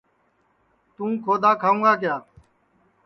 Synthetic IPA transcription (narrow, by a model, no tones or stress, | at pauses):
t̪ũːkʰoːd̪aːkʰaːũːŋɡaːk̬ɪjaː